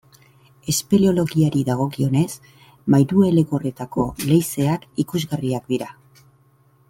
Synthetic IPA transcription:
e̞spe̞lio̞lo̞ɣiaɾiðaɣ̞o̞kio̞ne̞s | majɾue̞le̞kore̞t̪ako̞̰le̞jse̞akikuzɣariakd̪iɾa

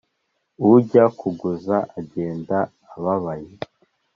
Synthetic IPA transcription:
uɟakuɡuzaʔaɟe̞ːndaː | βaβaje

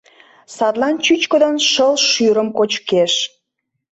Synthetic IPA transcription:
sɑt̪lɑnt͡ɕyt͡ɕkəd̪onʃəlʃyɾəmkot͡ɕkeʃ

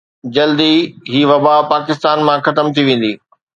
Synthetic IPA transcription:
d͡ʑɐld̪iɦiːʋɐbapaːkɪst̪aːnmãxɐt̪əmt̪ʰiʋẽːn̆d̪iː

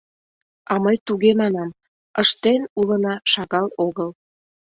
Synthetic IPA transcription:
ɑməjt̪uɣemɑnɑm | əʃt̪enulənɑʃɑɣɑloɣəl

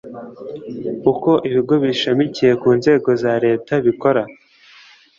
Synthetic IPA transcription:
uko̞ʔiβiɡo̞βiʃamicije̞kuːnze̞ːɡo̞zaɾe̞ːtaβiko̞ɾa

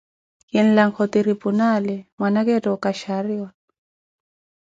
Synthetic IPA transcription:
kɪn̩laŋkʰɔt̪iɾipunalɛmwanakɛtʼɔkʼaʃariɔ

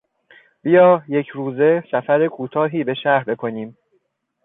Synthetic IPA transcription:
b̥ijɒːje̞cʰɾuːze̞sæfæɾekʰuːt̪ʰɒːɦiːbe̞ʃæɾbe̞kʰo̞niːm

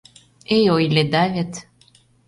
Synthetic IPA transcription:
ejojled̪avʲet̪

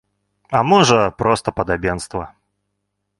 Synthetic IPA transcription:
amɔʐəpɾɔst̪əpəd̪abʲenst̪vɐ

